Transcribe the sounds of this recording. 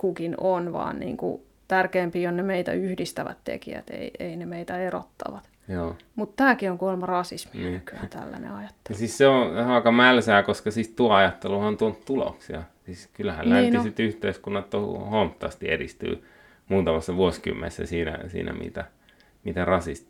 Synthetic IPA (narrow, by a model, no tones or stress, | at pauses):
kukinonʋɑ̰ːnnḭːŋkṵ | t̪ærkeːmpiːonnemeit̪æ̰yhdist̪æʋæ̰t̪t̪ḛkiæ̰t̪ḛieinemeit̪æero̰t̪ːɑ̰ʋɑt̪ | joːmut̪t̪æːkioŋkuolmɑrɑsisminːykyæt̪æ̰lːæ̰nḛɑjɑt̪ːe̥siːsseoɑˑikɑmælsæːkoskɑsiːst̪uɑɑjɑt̪ːeluɑnt̪uont̪t̪ulo̰ksiɑsiːskylːæhæ̰llænisit̪yht̪eiskunːɑt̪to̰homt̪ːˑɑ̰st̪iḛdist̪y̰ː | muːt̪ɑmɑsːɑʋuosky̰mːḛnsːæ̰siːnæ̰sḭːnʔæ̰mḭt̪æ | mit̪ærɑsist̪